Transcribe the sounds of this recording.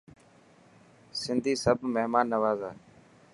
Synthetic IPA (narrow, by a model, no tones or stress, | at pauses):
sɪnd̪ʱiːsəb̚ʱmeɦmaːnːəʋaːzaː